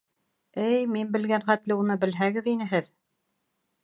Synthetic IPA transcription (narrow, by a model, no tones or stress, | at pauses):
ɘjminbɘ̆lɡænχæt̪lɘunɤbɘ̆lɦæɣɘðinɘɦɘð